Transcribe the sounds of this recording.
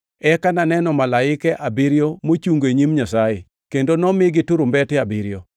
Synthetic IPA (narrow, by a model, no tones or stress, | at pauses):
ɛkananɛnɔmalaɪkɛʔabɪɾjomot͡ʃuŋɡoeɲimɲasajɪ | kendonɔmɪɡɪtuɾʊmbɛtɪabiɾjɔ